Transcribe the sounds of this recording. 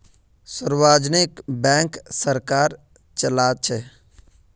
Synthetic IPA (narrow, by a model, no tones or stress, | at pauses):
səɾwaːd͡ʒnɪkbɛ̃ːŋksəɾkaːɾ | t͡ʃəlaːt͡ʃʰɛ